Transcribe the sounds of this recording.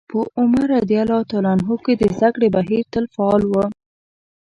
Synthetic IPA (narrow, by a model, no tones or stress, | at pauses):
pəʔʊmaɾad̪ialɑt̪alanɦoked̪əzd̪akɽebaɦiɾt̪əlfaɑlwə